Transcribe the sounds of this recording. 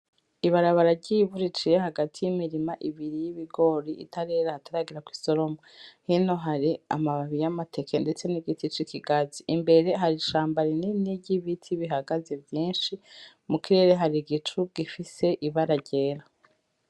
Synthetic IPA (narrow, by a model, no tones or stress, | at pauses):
iβaɾaβaɾaɟiβuɾit͡ʃijeɦaɡatʰijimiɾimaʔiβiɾijiβiɡo̞ːɾiʔḭtaɾe̞ːɾahataɾaɡiɾakwi̥so̞ɾo̞mohino̞ɦaɾia̰maβaβijamatʰe̞kende̞t͡se̞niɡitit͡ʃikʰiɡaziʔimbe̞ɾe̞ɦaɾiʃaːmbaɾininiɟiβitʰiβiɦaɡaze̞vjiːnʃi | mukiɾe̞ɾe̞ɦaɾiɡit͡ʃuɡ̥ifise̞ʔiβaɾaɟe̞ːɾa